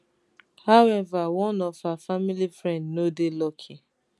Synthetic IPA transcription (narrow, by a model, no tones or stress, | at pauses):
haʊɛvawɔ̃nɔfafamilifɹɛ̃ndnodelɔkʰi